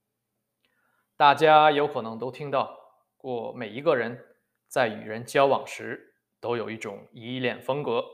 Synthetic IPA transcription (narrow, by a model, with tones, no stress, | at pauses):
t̪a˥˩t͡ɕja˥jo˧˥ʊkʰɤ˨˩nɤ˧˥ŋt̪o˥ʊt̪ʰi˥ŋt̪ɑ˥˧ʊ | kwɔ˥˩me˨˩ɪi˧˥ɡə˥˧ɻə˧˥n | t͡sa˥˩ɪy̰˨˩ɻə˧˥nt͡ɕjɑ˥ʊwɑ˨˩ŋʂɻ̩˧˥ | t̪o˥ʊjo˨˩ʊi˥˩ʈ͡ʂʊ˨˩ŋi˧˥˧ljɛ˥˩nfɤ˥ŋkɤ˧˥